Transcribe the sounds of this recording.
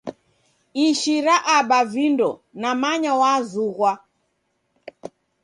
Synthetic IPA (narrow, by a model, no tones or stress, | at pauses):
iʃiɾaʔaɓavindɔnamaɲawazuɣwa